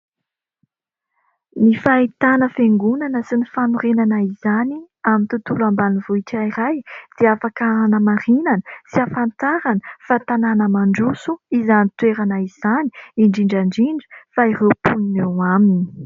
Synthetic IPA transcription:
nifait̪anəfeŋɡunanəsinifanuɾenanaizani | amint̪ut̪ulambanivuiʈ͡ʂaiɾajd̪̥eafakaɾanəmaɾinanəsiafant̪aɾanəfat̪ananəmaɳɖ͡ʐusuizanit̪weɾanaiz̥aniiɳɖ͡ʐiɳɖ͡ʐaɳɖ͡ʐiɳɖ͡ʐu̥fairewpuninewamini̥

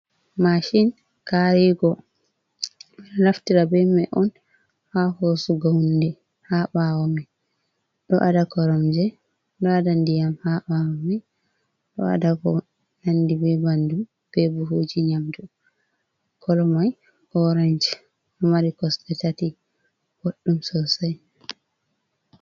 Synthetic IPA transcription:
maʃin | kaɾiɡɔ | laftiɾabɛmɛʔɔn | hahosuɡawndɛ | haɓawɔmɛ | ɗɔʔadakɔɾɔmd͡ʒɛ | ɗɔadandijamhaɓawɔmɛ | ɗɔ̰a̰dakɔ | nandibɛbandu | b̥ɛbuɦoːd͡ʒiɲamdu | kɔlɔmaj | ʔɔɾand͡ʒɛ | ɔmaɾikɔstɛtati | ɡoɗːumsɔsaj

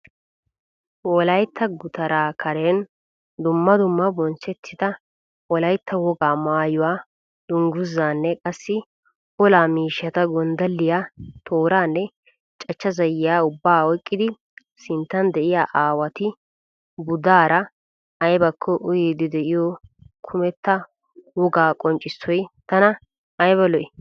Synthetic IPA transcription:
wɔlɐjt̪ʰːɐɡʊt̪ɐɾaːkʰɐɾen | d̪ʊmːɐd̪ʊmːɐbɔnt͡ʃɛt̪ʰːɪd̪ɐ | wɔlɐjt̪ʰːɐwɔɡaːmaːjʊwaː | d̪̥ʊŋɡʊzːaːnːɛkʼɐsːɪ | ɔlaːmiːʃɐt̪ɐɡɔnd̪ɐlːɪjat̪ʰoːɾaːnːɛ | t͡ʃʼɐt͡ʃːɐzɐjɪjaːʊbːaːwɔjkʼːɪd̪ɪ | sɪnt̪ːɐnd̪ɛʔɪjaːʔaːwɐt̪ɪ | bʊd̪aːɾɐ | ɐjbɐkʰːɔʔʊjeːd̪ɪd̪ɛʔɪjɔkʰʊmɛt̪ːɐ | wɔɡaːkʼɔnt͡ʃʼːɪsːɔjt̪ɐnɐː | jbɐlɔʔɪ

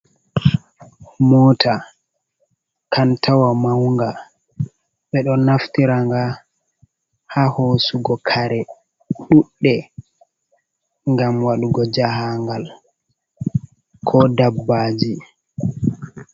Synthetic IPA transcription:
mɔːtʰa | kantʰawamawŋɡa | ɓɛɗɔnaftiɾaŋɡa | hahosuɡɔkʰaɾɛ | ɗuɗːɛ | ŋɡamwaɗuɡɔd͡ʒahaŋɡal | kʰɔdabːad͡ʒi

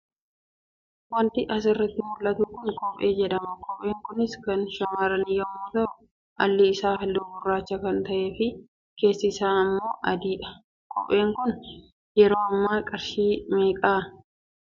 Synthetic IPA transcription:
wɐnt̪ɪʔɐs̬ɪrːɐt̪ːɪmʊlʔːɐt̪ukʊnkɔpʼeːd͡ʒɛᶑ̪ɐmɐkʼɔpeːŋkʊnɪskɐnʃɐmaːɾɐnɪjːɐmːoːt̪ɐ | ʔɐlːɪːsaːhɐlːʊɡʊrːaːt͡ʃːɐkɐnt̪ɐʔe̞ːfɪ | ke̞ːsːɪsaːnɐmːo̞ːʔɐd̪iːɐ | kʼɔ̰ʔeːŋkʊn | jɛɾo̞ːɐmːaːkʼɐɾʃiːmeːkʼaː

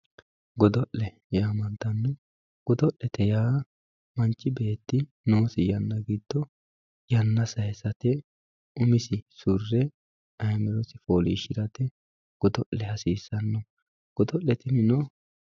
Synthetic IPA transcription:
ɡɔd̪ɔʔlɛ | jaːmɐnt̪ɐnːɔ | ɡ̥ɔd̪ɔʔːɛt̪ɛjaː | mɐnt͡ʃʼːɪbeːt̪ːɪ | noːsɪjɐnːɐɡɪd̪̥ːɔ | jɐnːɐsɐjɛsɐt̪ɛ | ʊmɪsɪsʊrːɛ | ɐjmɛɾɔsɪfoːliːʃɪɾɐt̪ɛ | ɡ̥ɔd̪ɔʔlɛhɐsiːsːɐnːɔ | ɡ̥ɔd̪ɔʔːɛt̪ɪmɪnɔ

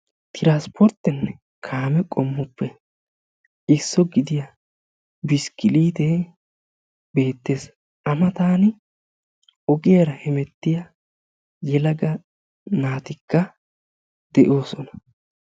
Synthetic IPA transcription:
t̪ʰɪɾaːspʰɔɾt̪ːɛnːɛ | kʰaːmɛkʼɔmːɔpːɛ | ʔɪsːɔɡɪd̪ɪjɐ | bɪskɪliːd̪ɛ | be̞ːt̪ːe̞ːs | ʔɐmɐt̪aːnɪ | ɔɡɪjɐɾɐhɛmɛt̪ːɪjɐ | jɛlɐɡɐ | naːt̪ɪkːɐ | d̪̥ɛʔo̞ːsɔnɐ̥

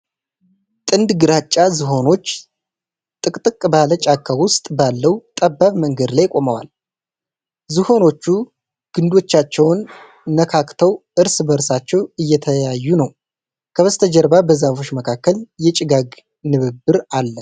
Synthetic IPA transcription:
t̪ʼɨnd̪ɡɨɾat͡ʃʼːazɨɦo̞no̞t͡ʃː | t̪ʼɨkʼt̪ʼɨkʼːbalət͡ʃʼakʰːawʊst̪ʼbalːəwt̪ʼəbːaβməŋɡəd̪lajkʼo̞məwa̰l | zɨho̞no̞t͡ʃːu | ɡ̥ɨnd̪o̞t͡ʃːat͡ʃːɛwnː | əkʰakt̪ʰəwʔɨɾsbəɾsat͡ʃːɛwɨjːɛt̪ʰəjajːunəw | kʰəβəst̪ʰəd͡ʒəɾbabəzafo̞t͡ʃːməkʰakːəljɛt͡ʃʼɪɡaɡ | nɨβɨbɨɾalːə

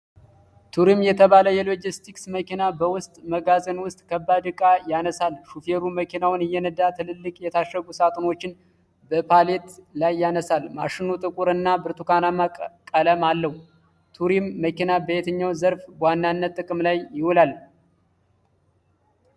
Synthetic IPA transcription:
t̪ʰuɾimjɛt̪ʰəβaləjɛlo̞d͡ʒist̪ʰiksməkinabəwʊst̪ʼməɡazənwʊst̪ʼkʰəbːad̪ɨkʼajanəsalʃufeɾuməkʰinawɨnɨjːɛnəd̪at̪ʰɨlɨlːɨkʼjɛt̪ʰaʃːəɡusat̪ʼno̞t͡ʃːɪn | bəpʰale̞t̪lajːanəsalmaʃɪnut̪ʼɨkʼuɾɨnːabɨɾt̪ʰukanamakʼkʼələmalːəhu | t̪ʰuɾimːəkinabəet̪ʰəɲːawzəɾfbwanːanːət̪ːʼɨkʼɨmlajːɪhulal

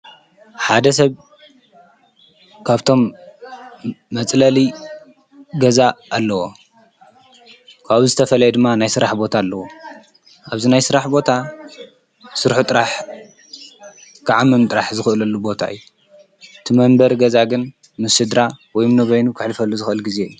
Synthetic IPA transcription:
ħad̪ɐs̬ɐβ | kʰaβt̪ʰo̞m | ɐt͡sʼlɐli | ɡɐzaːlːɐwo̞ | kʰaβuzɨt̪ʰɐfɐlɐjɛd̪ɨmːanajsɨɾaħbo̞t̪ʰaːlːɐwo | ʔaβzinajsɨɾaħbo̞t̪ʰa | sɨɾħut̪ʼɨɾaħ | kʰɨʕamːɨmt̪ʼɨɾaħzɨxɨʔɨlɐlːubo̞t̪ʰa̰ɨ̰jːu | ɨt̪ʰɨmɐmbɐɾɡɐzaɡɨn | mɨsɨd̪ɾawɔjmnɐβɐjnukʰɨħlɨfɐlːuzɨxɨʔɨlɡize̞jːu

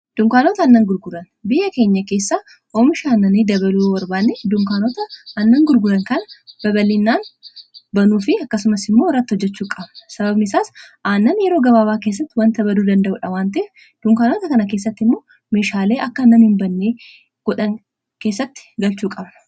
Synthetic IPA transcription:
d̪̥ʊŋkaːnoːt̪ɐːnːɐŋɡʊɾɡʊɾɐn | bɪjʔɐke̞ːɲːɐke̞ːsːaː | omɪʃaːnːɐnid̪ɐbɐluːwɐɾbaːnːed̪ʊŋkaːnot̪ɐːnːɐŋɡʊɾɡʊɾɐŋkɐnɐb̥ɐbɐlɪnːaːnbɐnuːfɪɐkːɐsʊmɐsɪmːoːrːɐt̪ːɪhɔd͡ʒːɛt͡ʃːuːkʼɐbnɐsɐbɐbnɪsaːsʔaːnːɐnjɛɾo̞ːɡɐbaːbaːkeːs̬ːɐt̪ːɪwɐnt̪ɐbɐd̪uːd̪ɐnd̪ɐʔʊ̰ːᶑɐwaːnt̪ɐf | d̪̥ʊŋkaːnoːt̪ɐkɐnɐk̬e̞ːs̬ːɐt̪ːɪmːo̞ː | me̞ːʃaːle̞ːʔɐkːɐnɐmhɪmbɐnːeː | ɡ̥ɔᶑɐŋ | ke̞ːsːɐt̪ːɪ̥ɡɐlt͡ʃuːkʼɐbnɐ̥

